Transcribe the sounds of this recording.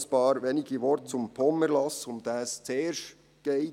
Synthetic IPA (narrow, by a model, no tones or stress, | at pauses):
sb̥ɑːɾʋeniɡiʋɔɾtt͡sʊmpʰɔmːəɾlɑsʊmd̥̪æst͡seːɾʃ | ɡ̥eɪ